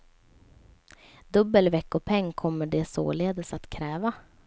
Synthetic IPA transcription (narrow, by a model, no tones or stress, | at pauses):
d̪ɵbːəlvɛkːɔpʰɛŋːkʰɔmːəɖɛso̰ːleːd̪əsat̪kʰɾɛːva